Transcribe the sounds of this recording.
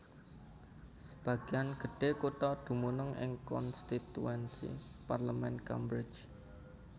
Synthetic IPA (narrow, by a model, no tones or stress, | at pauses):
sə̥b̥ä̤ɡ̥i̤anɡ̥ə̤ɖ̥e̤kuʈ̪ɔd̪̥ṳmunʊŋʔɪ̰ŋkɔ̰nst̪it̪ṵɛnsḭparləmɛnka̰mbɾɪ̥d͡ʒ